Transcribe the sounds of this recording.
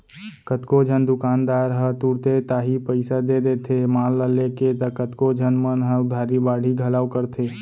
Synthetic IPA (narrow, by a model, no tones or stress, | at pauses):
kət̪kod͡ʒʱənd̪ʊkaːnd̪aːɾɦət̪uːɾt̪et̪aːɦipəɪsad̪ed̪eːt̪ʰemaːlːəleket̪əkət̪kod͡ʒʱənmənɦəʊd̪ʱaːɾibaːɽʱiɡʱəlaːʋkəɾt̪ʰeː